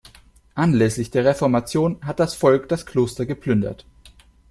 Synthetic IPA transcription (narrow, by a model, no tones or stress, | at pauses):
ʔanlɛslɪçd̥eːɐʁ̞efɔɐmat͡sjoːnɦat̚d̥asfɔlkd̥askʰl̥oːstɐɡəplʏndɐ̰t